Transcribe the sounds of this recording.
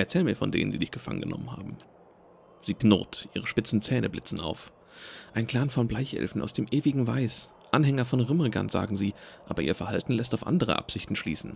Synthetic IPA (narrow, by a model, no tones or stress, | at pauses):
ʔɛɐt͡sɛːləmiːɐfɔndḛːnəndiːdɪçɡ̥əfa̰ŋə̰nɡənɔ̰mənha̰ːbm̩ | z̥iːɡno̰ːtʔiːʁ̞əʃpɪt͡sn̩t͡sɛːnəblɪt͡sn̩a̰ʊf | ʔaɪnkʰl̥aːnfɔnblaɪçʔɛ̰lfn̩ʔaʊsd̥eːmʔeːvɪɡŋ̩vaɪs | ʔanhɛŋɐfɔnʁʏmʁəɡa̰nz̥a̰ːɡŋ̩ziːʔaːbɐʔiːɐfɛɐhaltn̩lɛstaʊfʔa̰ndəʁ̞ə̰ʔa̰pz̥ɪçtn̩ʃlḭːsn̩